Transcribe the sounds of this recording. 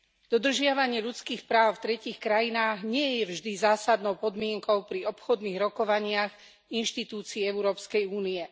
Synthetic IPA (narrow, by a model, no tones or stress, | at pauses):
d̪ɔd̪r̩ʒɪaʋaɲɪɛʎut͡skiːxpɾaːʊft̪ɾɛciːxkɾajinaːɣɲɪɛjɛvʒd̪izaːsad̪nɔʊpɔd̪mɪɛŋkɔʊpɾiɔpxɔd̪niːɣɾɔkɔʋaɲɪax | inʃt̪it̪uːt͡siiɛʊuɾɔːpskɛjuːniɛ